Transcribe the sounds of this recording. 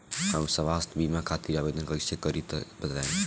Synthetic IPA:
həmsəʋast̪ʰbimakʰat̪iɾabed̪ʱənkəisekəɾit̪bət̪lã

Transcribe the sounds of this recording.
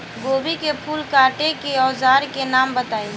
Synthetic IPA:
ɡobikepʰuːlkaʈekeɔzaːɾkenambət̪aːi

